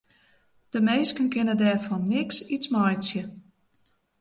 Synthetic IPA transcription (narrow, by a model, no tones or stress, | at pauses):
d̥əmejskənkɪnədɛːrfɔnːɪksismɔjsjə